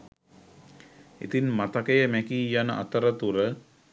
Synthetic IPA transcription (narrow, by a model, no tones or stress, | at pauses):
ḭt̪inmat̪akəjəmækiːjanəʔa̰t̪əɾət̪uɾə